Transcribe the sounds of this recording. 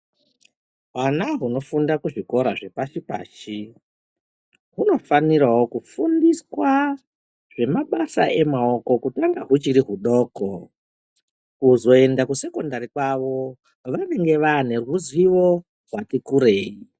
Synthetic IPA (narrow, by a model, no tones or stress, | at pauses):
ɦwanaɦuno̞fundakuʐiko̞ɾa̰ʐe̞paʃipa̰ːʃi | ɦuno̞fanirawokufundiswa | ʐ̥e̞maɓasa̰ʔe̞mao̞ko̞kutaŋɡaɦut͡ʃiɾiɦuɗo̞ːko̰ | kuzo̞e̞ndakuse̞ko̞ndaɾikwaʋo̞ | ʋane̞ŋɡe̞ʋane̞rwuzwiʋo | ɦwatikuɾe̞ːi